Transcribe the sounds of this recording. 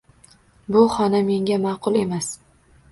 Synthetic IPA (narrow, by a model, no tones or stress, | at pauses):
bʊχɒname̞ŋɡʲamɑːqʰʊlˠe̞mas